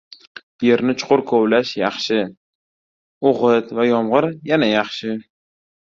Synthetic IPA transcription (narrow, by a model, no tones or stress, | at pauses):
je̞ɾnɪt͡ʃʰʊ̥qʰʊɾkʰowlaʃjɑχʃɪ | oʁɨt̪vajɒmʁɨɾjanajɑχʃɪ